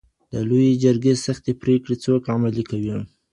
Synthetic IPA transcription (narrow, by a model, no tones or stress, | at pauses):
d̪̥əlojed͡ʒəɾɡesaxt̪epɾekɽet͡sokamalikawi